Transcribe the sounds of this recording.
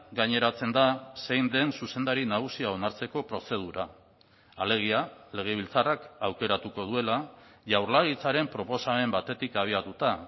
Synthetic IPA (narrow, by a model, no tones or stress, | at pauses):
ɡaɲe̞ɾat͡se̞nd̪ase̞jnd̪e̞nsuse̞nd̪aɾinaɣusiao̞naɾt͡se̞ko̞pɾo̞se̞ð̞uɾa | ale̞ɣ̞iale̞ɣ̞e̞β̞ilt͡sarakawke̞ɾat̪uko̞ðue̞laʝawɾlaɣit͡saɾe̞mpɾo̞po̞same̞mbat̪e̞t̪ikaβ̞iat̪ut̪a